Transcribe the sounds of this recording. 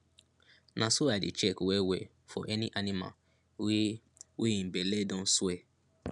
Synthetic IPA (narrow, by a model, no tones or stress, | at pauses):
nʔãsuadḭt͡ʃekowewe | fɔ̰ʔɛniʔanima̰ | wi | wiĩbeledõn̩swe